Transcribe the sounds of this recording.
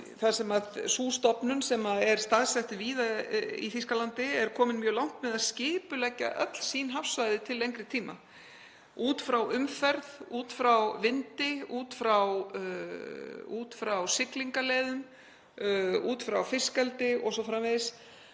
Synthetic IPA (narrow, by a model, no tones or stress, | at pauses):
θḁsɛmaðsuːst̪ɔpnʏnsɛmaɛɾ̥st̪aðsɛht̪ʏviːðaḭθiskalant̪ɪɛɾ̥kʰɔːmɪnmjœːɣlawŋ̥t̪mɛðaðscɪːpʏlɛcːa̰ʔœ̰t̪l̥siːnɦafsvajðɪt̪ʰɪlːejŋkɾɪt̪ʰiːma̰ | uːt̪fɾawʔʏmfɛɾðuːt̪fɾawvɪnt̪ɪuːt̪fɾaw | uːt̪fɾawsɪkliŋkaleːðʏm | uːt̪fɾawfɪskɛlt̪ɪɔsɔfɾamveɪs